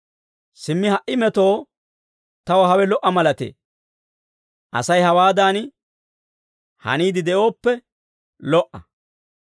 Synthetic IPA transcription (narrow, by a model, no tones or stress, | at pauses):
sɪmːɪhɐʔɪmɛt̪o̞ː | t̪ɐwɐɦɐwɛlɔʔɐmɐlɐt̪ḛː | ʔɐ̰sɐjhɐwaːd̪aːn | hɐ̰niːd̪ɪd̪ɛʔo̞ːpːɛ | lɔʔɐ